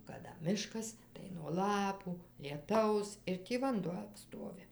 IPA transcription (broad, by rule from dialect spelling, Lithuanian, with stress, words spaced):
kɐˈdɐ ˈmʲɪʃkɐs tɐɪ nuɔ ˈlˠɑːpuː lʲiɛˈtɐʊs ɪr ˈtʲiː ʋɐnˈduɔ ˈstoːʋʲɪ